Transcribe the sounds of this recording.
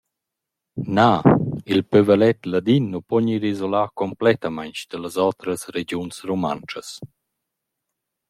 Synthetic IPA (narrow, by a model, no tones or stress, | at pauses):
nailpøvəlɛt̪lad̪inːupɔɲiɾizolaːkɔmplɛt̪amaɲt͡ʃd̪̥ələzawt̪ɾəsɾed͡ʒjunsɾuma̰nt͡ʃəs